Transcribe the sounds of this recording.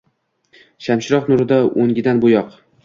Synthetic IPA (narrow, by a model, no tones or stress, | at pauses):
ʃamʃɪɾɒqnʊɾɪd̪aoŋɡʲɪd̪anbʊjɒq